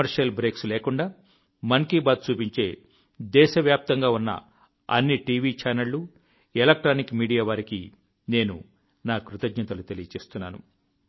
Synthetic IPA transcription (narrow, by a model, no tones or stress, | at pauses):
ɐɾʂɐlbɾeːksleːkuɳɖaː | mɐŋkiːbaːd̪̚t͡ʃuːpiɲt͡ʃe̞ː | d̪ɛːʃɐʋjaːp̚t̪ɐŋɡaːunːɐ̰ | ɐ̰nːiʈiːʋit͡ʃaːnɐlːu | elɐk̚ʈɾaːnikmiːɽijaːʋaːɾikḭ | ne̞ːnṵ | naːkɾut̪ɐd͡ʒɲɐt̪ɐlut̪elijɐt͡ʃe̞ːst̪unːa̰ːnṵ